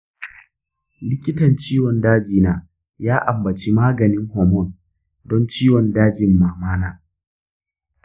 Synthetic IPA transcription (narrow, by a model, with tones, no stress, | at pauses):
lɪ˦kʲɪ˦tɐ˨nt͡ʃiː˦wɔ˨ndaː˦d͡ʒiː˨naː˨ | jaː˦ʔa˨mbɐ˨t͡ʃi˦maː˦ɡɐ˨nɪ˦ŋɦɔː˨mɔ˦˨n | dɔ˦nt͡ʃiː˦wɔ˨ndaː˦d͡ʒɪ˨mːaː˨maː˦naː˦